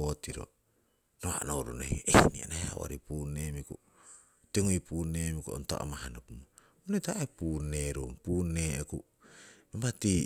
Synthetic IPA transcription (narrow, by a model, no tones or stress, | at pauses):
otiɾo̰ | noa̰nowɾonohiʔejnianaheawa̰ɾipunːemiku | teŋoipuːnemikuʔo̰nta̰ʔo̰mahanopumo | onetaepuːnːeɾompuːneeku | imbati